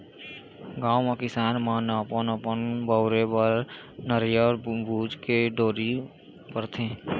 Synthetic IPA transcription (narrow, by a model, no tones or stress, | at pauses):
ɡaːwmãkɪsaːnmanəpənəpənbəʊɾebəɾ | nəɾjɔːɾbʱuːd͡ʒkeɖoːɾi | pəɾt̪ʰẽː